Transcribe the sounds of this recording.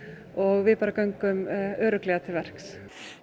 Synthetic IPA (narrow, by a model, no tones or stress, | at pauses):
ɔɣvɪðpaːɾakœɥŋkʏmœːɾʏklɛːɣat̪ʰɪlvɛr̥ks